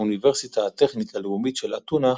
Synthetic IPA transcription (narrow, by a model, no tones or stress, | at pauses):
univeʁsit̪aːt̪e̞χnit̪aleumitʃelat̪una